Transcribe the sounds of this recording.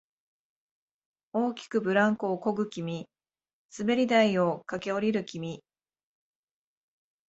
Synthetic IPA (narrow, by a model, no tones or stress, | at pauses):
o̞ːkʲi̥kɯ̟bɯ̟ɾãŋkoːko̞ɡɯ̟kʲimʲi | sɨbe̞ɾʲid̪aiokake̞o̞ɾʲiɾɯ̟kʲimʲi